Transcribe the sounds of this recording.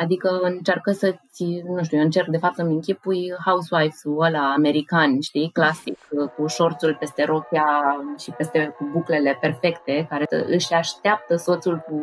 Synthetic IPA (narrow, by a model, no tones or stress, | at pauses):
ad̪ikəɨnt͡ʃarkəsəsʲnuʃ̬t̪ujeɨnt͡ʃe̞rk̚d̪e̞fap̚t̪ɨmiŋkʲipujhauswajfolaːme̞ɾikanʲʃt̪iklasikkuʃo̞rt̪sulpe̞st̪e̞ɾo̞kʲaʃipe̞st̪e̞kubukle̞le̞pe̞rfe̞kt̪e̞kaɾe̞ə̰ɨʃʲaʃt̪eap̚t̪əso̞t̪sulku